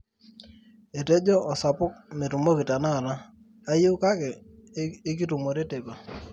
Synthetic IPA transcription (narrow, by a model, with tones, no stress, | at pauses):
e˨te˦d͡ʒɔ˦ʔɔ˨sa˨pʊ˦k̚me˨tu˨mo˦ki˨ta˨na˦˨ɾaː˦ | jɪ˦ka˦kɛː˨˦ | k̬i˦tu˨mo˨ɾe˦te˨ka˨